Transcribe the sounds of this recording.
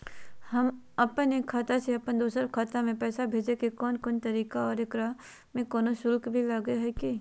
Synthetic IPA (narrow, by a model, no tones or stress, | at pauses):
hɐm | ɐpəneːkʰːaːt̪aseɐpənd̪oːsəɾkʰaːt̪amẽpɛːsabʱeːd͡ʒekekɔːnkont̪ɐɾiːkaɔːɾekɾaː | mẽkoːnosʊlkbʱilaːɡeɦɛki